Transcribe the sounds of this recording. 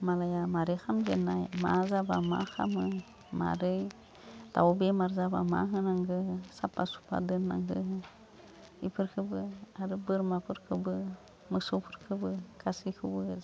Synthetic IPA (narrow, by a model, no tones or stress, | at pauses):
malajamaɾixamd͡ʒenajma̰zabama̰xa̰mə | ma̰ɾə | tawubemaɾzaba̰ma̰ɦənaŋɡəsapːasu̥pa̰dənːa̰ŋɡə | ipɨɾkəbəaɾəbəɾmapɨɾkəbə | məsupɨɾkʰəbəkasikɨbu